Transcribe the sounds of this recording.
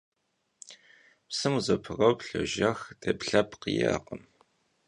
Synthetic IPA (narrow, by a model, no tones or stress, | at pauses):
psɨmuzɐpʰɨrɐwpɬɐʒɐxd̥ɐpɬɐpqijaːqəm